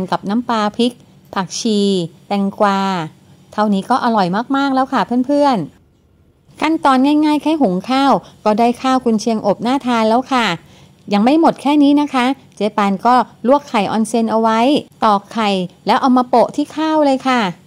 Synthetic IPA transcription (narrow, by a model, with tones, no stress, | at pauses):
nka˨˩p̚na˦˥mpaː˧pʰi˦˥k̚ | pʰa˨˩k̚t͡ɕʰiː˧t̪ɛ˧ŋkwaː˧ | t̪ʰa˧˥˧wniː˦˥kɔː˥˩ʔa˧lɔ˨˩jmaː˥˩k̚maː˥˩k̚lɛː˦˥wkʰa˥˩pʰɯ˥˩ənpʰɯ˥˩ən | kʰa˥˩nt̪ɔː˧nŋaː˥˩jŋaː˥˩jkʰaː˥˩jɦu˨˩˦ŋkʰaː˥˩wkɔː˥˩daː˥˩jkʰaː˥˩wkʰu˧nt͡ɕʰi˧əŋʔo˨˩p̚naː˥˩t̪ʰaː˧nlɛː˦˥wkʰa˥˩ | ja˨˩ŋma˥˩jmo˨˩t̪̚kʰɛː˥˩niː˦˥na˦˥kʰa˦˥ | t͡ɕeː˧paː˧nkɔː˥˩lu˥˩əkʰːa˨˩jʔɔː˧nse˧nʔa˧wa˦˥jt̪ɔː˨˩kʰːa˨˩jlɛː˦˥wʔa˧wmaː˧po˨˩ʔt̪ʰiː˥˩kʰaː˥˩wlɤː˧jkʰa˥˩